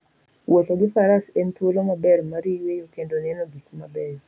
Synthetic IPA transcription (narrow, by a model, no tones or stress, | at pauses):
wotoɡɪfaɾasɛntwolomabɛrmaɾiwejokendonɛnoɡikumabɛr